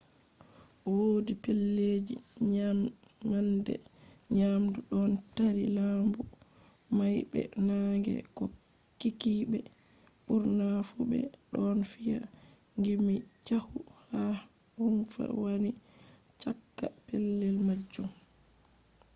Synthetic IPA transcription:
woːdipɛlːed͡ʒi | ɲaː | andɛ̰ | ɲamduɗɔntaɾilambumajbɛ̰naŋɡɛ̰kɔkikibɛ | ɓuɾnafubɛ̰ɗɔnfija̰ | ŋɡimit͡ʃahuhahunfa̰wanit͡ʃakːapɛlːɛlmad͡ʒum

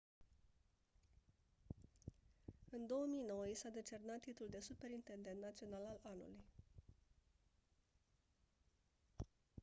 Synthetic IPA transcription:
ɨnd̪o̞womijno̞wjesad̪e̞t͡ʃe̞rnat̪ːit̪uld̪e̞supe̞ɾint̪end̪e̞nt̪nat̪sio̞nalalanṵluj

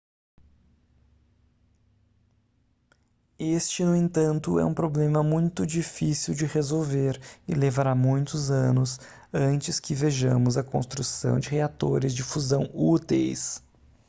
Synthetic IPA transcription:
est͡ʃɪnʊẽnt̪ɐ̃nt̪ʊɛ̰ũpɾoblẽmɐmũj̃t̪ʊd͡ʒifisiwd͡ʒɪhezowveɾɪ̰levaɾamũj̃t̪ʊzɐ̃nʊs | ɐ̃nt͡ʃɪskɪveʒɐ̃mʊzɐkõ̰st̪ɾusɐ̰̃w̃d͡ʒɪɦeat̪o̰ɾɪzd͡ʒɪfuzɐ̃w̃ut̪ḛjs

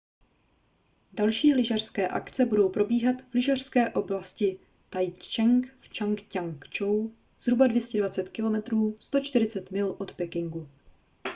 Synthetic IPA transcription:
dalʃiːlɪʒar̥skɛːʔa̰kt͡sɛbudo̞wpɾo̞biːɦat̪v̥lɪʒar̝̥skɛːʔo̞blascɪ | t̪ajt͡ʃɛŋkft͡ʃaŋkcaŋkt͡ʃow | z̥ɦɾubadvjɛscɛdvat͡sɛt̪kɪlo̞mɛt̪ɾuːst̪o̞t͡ʃt̪ɪɾɪt͡sɛt̪mɪlʔo̞t̪pɛkɪŋɡu

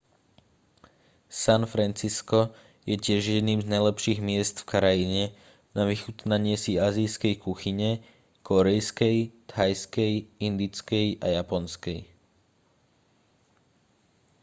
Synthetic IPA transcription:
sanfɾɛnt͡siskɔ | jɛcɪɛʒjɛd̪niːmznajlɛpʃiːɣmɪɛst̪fkaɾajiɲɛ | naʋixut̪naɲɪɛsiaːzijskɛjkuxiɲɛ | kʰɔɾɛjskɛjt̪hajskɛjind̪it͡skɛjʔajapɔnskɛj

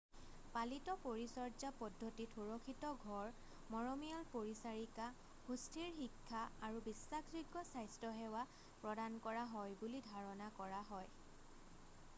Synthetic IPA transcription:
palitɔpoɹisɔɹd͡ʒapɔdʱːotitʰuɹɔkʰitɔɡʱɔɹ | mɔɹɔmiɔlpoɹisaɹika | hustʰiɹxikʰːaːɹubisːakʰziɡːɔsajstɔɦɛwa | pɹɔdankɔɹaɦɔjbulidʱaɹɔnakɔɹaɦɔj

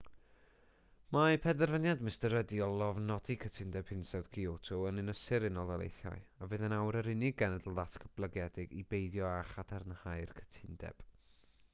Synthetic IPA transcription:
mapʰɛdɛrvənjadmɪstəɾədiɔlˠɔvnɔdikʰətʰɪndɛb̥ʰhɪnsɛwd̥kʰiotʰɔənɪnəsɪɾɪnɔlˠðalḛjθjɔ̰ɨavɨːðənawɾəɾɪnɪɡɛnɛdlˠðatʰkʰəb̥lˠəɡjɛdɪɡibejdjɔaχatʰaɾənhajrkʰə̥tʰɪndɛ̰b̥

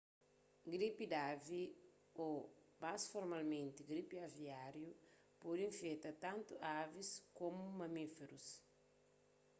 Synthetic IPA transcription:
ɡɾipid̪avi | o | masfoɾmalmẽnt̪iɡɾipiaviaɾju | pod̪ĩɱfet̪ɐt̪ãnt̪uʔaviskomumɐmifeɾus

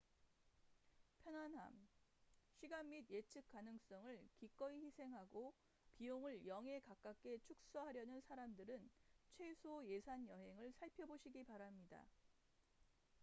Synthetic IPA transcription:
pʰjʌnanɦa̰m | ɕʰiɡanːidje̞t͡ɕʰɯk̚k͈anɯŋs͈ʌŋɯɭkik͈ʌiçisʰe̞ŋɦaɡo | pioŋɯɭjʌŋe̞kak͈ak͈e̞t͡ɕʰuk̚s͈ʌɦaɾjʌnɯnsʰaɾamdɯɾɯnt͡ɕʰwe̞sʰoje̞sʰanjʌɦe̞ŋɯɭsʰaɭpʰjʌboɕʰiɡipaɾamɲida̰

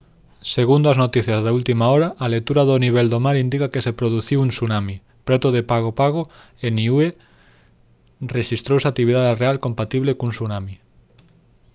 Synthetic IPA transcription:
seɣund̪oaznot̪iθjazðault̪imaɔɾaʔːlet̪uɾaðoniβ̞ɛld̪omaɾind̪ikakesepɾoð̞uθiwuŋsunami | pɾet̪oðepaɣ̞opaɣ̞o | eniue | reʃist̪ɾowsak̚t̪ːiβiðaðerealkompat̪iβlekuŋsunami

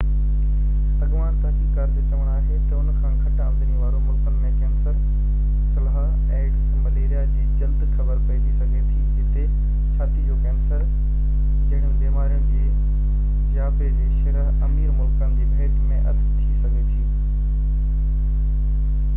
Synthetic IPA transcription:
ɐɠʋaːnt̪aãkikɐɾd̪t͡ɕɐʋəɽ̃aːɦet̪ɐʊnkʰãːnkʰɐʈãːmd̪əniʋaːɾomʊlkənmẽkɛːmsə | sɐlɦa | eːɖz | mɐleːɾijad͡ʑiːd͡ʑɐld̪xʰɐbəɾpɐid̪isɐɡʱet̪ʰi | ɪt̪e | t͡ɕʰaːt̪id͡ʑoːkɛːmsəɾ | d͡ʑɐ̃ːɽ̃jʊ̃beːmaːɾijʊ̃nɪ̆d͡ʑeː | d͡ʑaːbed͡ʑiʃɐɾəɦɐmiːɾmʊlkənd͡ʑebʱeːt̪mẽʔɐɾd̪t̪ʰisɐɡʱet̪ʰiiː

